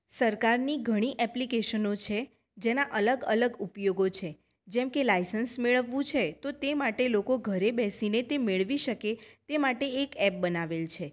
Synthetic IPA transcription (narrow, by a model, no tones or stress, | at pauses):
səɾkaɾniɡʱəɽ̃iʔɛplikeʃənot͡ʃʰe | d͡ʒenaʔələɡələɡupjoɡot͡ʃʰe | d͡ʒɛmkelajsənsmeɭəʋːũt͡ʃʰet̪ot̪emaʈelokoɡʱəɾebɛsinet̪emeɭʋiʃəket̪emaʈeːkɛp̚bənaʋelt͡ʃʰe